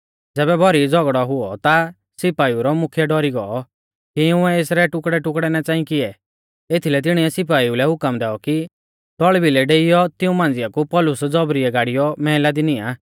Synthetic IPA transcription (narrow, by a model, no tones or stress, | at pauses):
d͡zɛːbɛbʱɔɾid͡zɔɡɽɔɦʊɔt̪a | sɪpaːiuɾɔmʊkʰjɛɖɔɾiɡɔɔ | kiɪʊ̃ɛeːsɾɛʈʊkɽɛʈʊkɽɛnɛt͡sãːĩkɪɛ | et̪ʰilɛt̪̬ɪɽ̃iɛsɪp̬aːiulɛɦʊkəmd̪ɛːɔki | t̪ɔɭbilɛɖeːɪjɔt̪ɪũmãːnd͡zɪjakupɔlʊsd͡zɔbɾiɛɡaːɽijɔmɛɦɪlad̪inɪaː